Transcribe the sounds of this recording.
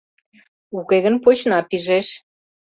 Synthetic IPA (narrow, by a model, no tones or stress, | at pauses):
ukeɣə̆npot͡ɕnɑpiʒeʃ